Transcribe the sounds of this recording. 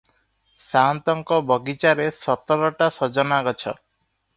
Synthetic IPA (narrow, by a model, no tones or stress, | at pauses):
sant̪ɔŋkɔbɔɡit͡ʃaɾesɔt̪ɔɾɔʈasɔd͡ʒɔnaɡɔt͡ʃʰɔ̰